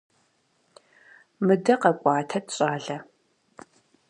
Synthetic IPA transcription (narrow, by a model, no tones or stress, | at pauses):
mɨdɐqɐkʷʼɑːtʰɐtʰɕʼaːɮɐ